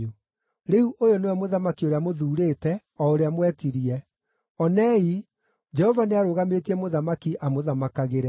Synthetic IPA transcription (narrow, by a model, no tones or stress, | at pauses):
u | ɾeuʔojonewɛmoðamakioɾeamoðuːɾeːtɛ | ɔoɾeamwɛtiɾiɛ | ɔnɛi | d͡ʒɛhɔvaneaɾoːɣametiɛmoðamakiʔamoðamakaɣeɾɛ